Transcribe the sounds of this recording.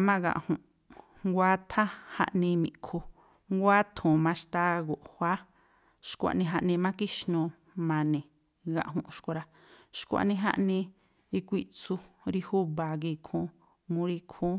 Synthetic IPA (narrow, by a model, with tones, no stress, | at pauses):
mã˦ɣã̰˧˨ʔhũ˨ʔ | ŋɡʷa˦t̪ʰa˦ha̰˧ʔnĩ˧mḭ̃˨ʔkʰu˧ | ŋɡʷa˦t̪ʰũ˨mã˧ʃt̪a˧ɣo˨ʔhwʷa˦ | ʃkʷa̰˨ʔnĩ˧ɦa˧ʔnĩ˧mã˦ki˦ʃnũ˧ | mã˧nĩ˨ | ɡã̰˧ʔɦũ˧ʔʃko˧ɾa˧ | ʃkʷa̰˨ʔnĩ˧ɦa̰˦ʔnĩ˧ | i˧kʷi˦t͡su˧ɾi˧hu˦βa˨ɡi˧˨kʰũ˧˦ | ŋũ˧˦ɾi˧kʰũː˦